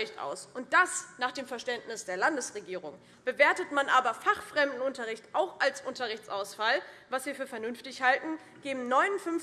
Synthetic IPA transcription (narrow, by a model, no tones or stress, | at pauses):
ɪçtʔa̰ʊsʔʊnt̚d̥asnaːχd̥eːmfɛɐʃtɛntnɪsd̥eːɐlandəsʁeɡiːʁ̞ʊŋ | b̥əveːɐtətmanʔaːbɐfaχfʁ̥ɛmdn̩ʊntɐʁ̞ɪçtʔaʊxʔalsʔʊntɐʁɪçt͡sʔaʊsfalvasv̥iːɐfyːɐfɛɐnʏnftɪçhaltn̩ | ɡ̥eːbm̩nɔʏnʊnfʏnf